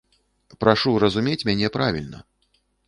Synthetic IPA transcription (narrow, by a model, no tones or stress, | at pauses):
pɾaʂurɐzumʲet͡sʲmʲanʲɛpɾavʲilʲnɐ̰